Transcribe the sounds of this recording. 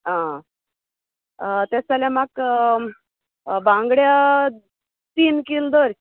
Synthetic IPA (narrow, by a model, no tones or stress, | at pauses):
ɦã | t̪at͡saljamak | bãŋɡɽja | t̪iːnkild̪oɾ